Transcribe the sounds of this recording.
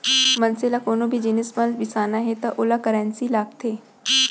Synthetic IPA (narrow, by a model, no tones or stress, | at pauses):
mɐnsɪlakoːnõbʱid͡ʒɪnɪsməlbɪsaːnaɦɛt̪ɐʔʊlakəɾɛ̃ːnsilaːk̚t̪ʰeː